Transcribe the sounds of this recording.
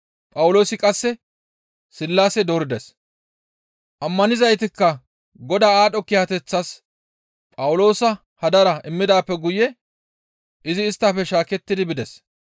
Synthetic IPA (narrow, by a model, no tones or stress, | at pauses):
pʼɐwʊlo̞ːsɪkʼɐsːɛ | sɪlːaːsɛd̪oɾɪd̪ɛs | ʔɐmːɐnɪzɐjt̪ɪkːɐ | ɡɔd̪aːaːɗɔkɪhɐt̪ɛt͡sːɐs | pʼɐwʊlo̞ːsɐ | hɐd̪ɐɾɐɪmːɪd̪aːpːɛɡʊjɛ | ʔɪzɪːst̪ːafɛʃaːkɛt̪ːɪd̪ɪbɪd̪ɛs